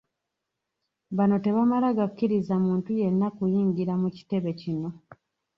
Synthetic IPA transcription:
βano̞te̞βamalaɡakukːiɾizamuːntuje̞nːakujiːŋɟiɾamuci̥te̞βe̞cino̞

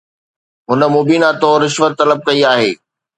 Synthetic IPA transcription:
ɦʊnə̆moːbiːnat̪oɾɪʃʋət̪ːɐləb̚kɐiaːɦeː

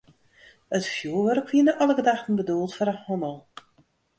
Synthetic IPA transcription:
ətfjuəʋœrəkʋiənəʔɑlˠəɡədaxtən̩bədulˠtfɔɾəhɔnəlˠ

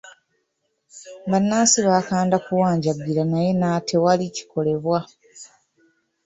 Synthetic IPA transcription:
banːaːsiβaːkaːndakuwaːɲɟaɡiɾanaje̞natʰe̞walici̥ko̞le̞βwa

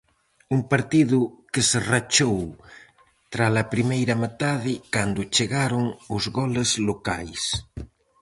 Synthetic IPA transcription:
uŋpaɾt̪iðʊkeserat͡ʃow | t̪ɾalapɾimejɾamet̪aðɪkand̪ʊt͡ʃeɣaɾʊŋʊzɣɔlezlokajs

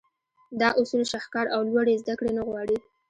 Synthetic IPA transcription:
d̪ɑʔʊsulʃaxkɑɾʔawlwaɽezd̪akɽenaɣwɑɽi

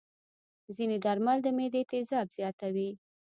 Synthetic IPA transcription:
zined̪aɾmald̪əmed̪et̪ɪzɑbz̥jɑt̪awi

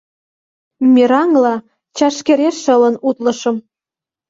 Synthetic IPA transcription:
mʲiɾɑŋlɑ | t͡ɕɑʃkeɾeʃːə̆lə̆nut̪lɤ̆ʃɤ̆m

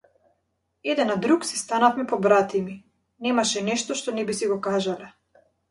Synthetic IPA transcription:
ɛd̪ɛnad̪ɾuksist̪anafmɛpɔbɾat̪imi | nɛmaʃɛnɛʃt̪ɔʃt̪ɔnɛbisiɡɔkaʒalɛ

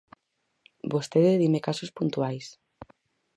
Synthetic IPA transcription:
bost̪eðeðimekasospunt̪uajs

